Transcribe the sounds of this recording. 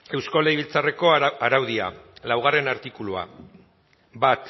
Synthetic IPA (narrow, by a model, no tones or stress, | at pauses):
e̞wsko̞lejβilt͡sare̞ko̞aɾawðia̰lawɣ̞are̞naɾt̪ikulua̰ | bat̪